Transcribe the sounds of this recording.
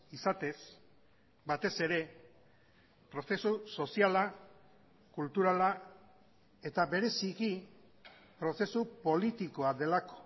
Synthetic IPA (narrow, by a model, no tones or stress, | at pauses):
isat̪e̞s | bat̪e̞se̞ɾe̞ | pɾo̞se̞suso̞siala | kult̪uɾala | e̞t̪aβe̞ɾe̞siki | pɾo̞se̞supo̞lit̪iko̞aðe̞lako̞̥